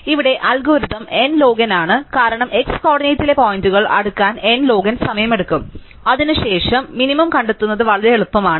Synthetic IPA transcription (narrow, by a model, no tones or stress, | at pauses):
iʋiɽe̞ʔɐlɡoːɾiðɐme̞nlo̞ːɡɐnaːɳɨkaːɾɐɳɐme̞kskoːɽinɐjtːile̞poːjinduɣɐɭɐ̰ɽukːaːnenlo̞ːɡɐnsɐmɐjɐme̞ɽukːum | ɐðinuɕe̞ːʂɐmːinimɐmkɐɳɖet̪ːunːɐðɨʋɐɭɐðeeɭupːɐmaːɳɨ